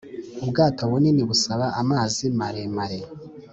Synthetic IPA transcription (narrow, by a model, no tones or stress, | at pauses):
ubɡaːtowuniniβusaβaʔamaːzimaɾemaɾe